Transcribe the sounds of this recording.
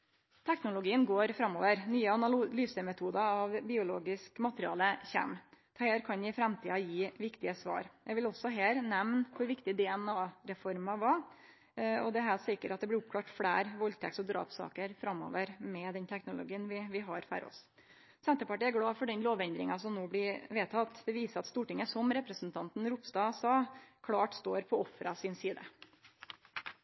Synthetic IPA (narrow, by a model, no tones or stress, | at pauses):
t̪ʰɛknʊlʊɡiːənɡoːɾfɾɑmːo̰ːʋəɾnyːəɑnɑlyːsəmɛt̪ʰuːd̪ɑɑʋbɪːʊlo̰ːɡɪskmɑt̪əɾɪɑ̰ːləçæ̰mʰ | heːɾkʰɑnjæɪfɾɛmt̪ʰiːɑjiːʋɪkt̪ɪəsʋɑ̰ːɾjɛɪɡʋɪlɔsːɔɦeːɾnɛʋnkʰʊɾʋɪkt̪ɪd̪ɛɛnɑːɾɛfɔɾmɑʋɑ | ɔd̪ɛɦæːsɪkːəɾɑt̪̚d̪ɛb̪ɪɾʊp̚kʰɽɑːʈfɽḛːɾʋɔlt̪ʰɛ̰ksɔd̪ɾɑ̰ːpsɑ̰ːkəɾfɾɑmːo̰ːʋəɾmɛd̪ɛnt̪ʰɛknʊlʊ̰ɡiːənʋɪʋɪɦɑɾfɑ̰ɾɔ̰s | sɛnt̪əpɑʈiːæɾɡɽɑːfɔɖɛnloːʋɛnd̪ɾɪŋɑsɔmnuːblɪɾʋeːt̪ʰːɑt̪ːd̪ɛʋiːsəɾɑt̪st̪uːʈɪŋːəsɔmɾɛpɾəsnt̪ʰɑnt̪n̩ɾupst̪ɑːsɑːkʰlɑːʈst̪oːɾpʰɔɔfɾɑsɪnsiːd̪ə̰